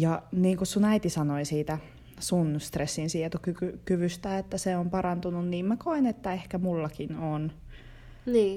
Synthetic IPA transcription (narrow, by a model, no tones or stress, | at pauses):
jɑniːŋkussunæit̪isɑnoisiːt̪æ | sunst̪resːinsiet̪ukykykyʋyst̪æet̪ːæseompɑrɑnt̪ununniːmmækoinet̪ːæehkæmulːɑkinon | niː